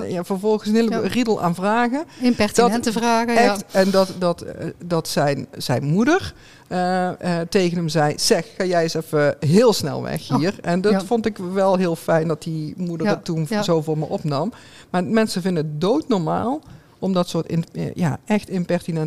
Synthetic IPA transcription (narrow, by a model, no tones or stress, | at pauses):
javəɹvɔlˠɣənsənɦɪːləridəlˠʔa̰ːnvraːɣədəraːɣɛxtɛndɑtdɑtdɑtsɛjnz̥ɛ̰jnmudəɹ | ətejɣənəmzɛjsɛxxaːjɛjəsɛfəɦɪːlˠsnɛ̰lˠʋɛ̰xiːrɛndɑtfɔntɪkʋɛlˠɦɪːlˠfɛjndɑt̚dimudəɹətunzowvʊːɹmə̰ʔɔpnɑm | maːmɛnsəvɪndənət̚dowtnɔɹma̰ːlˠ | ɔmdɑtsʊːtɪ̰nja̰ːʔɛxtɪmpɛɹtinɛn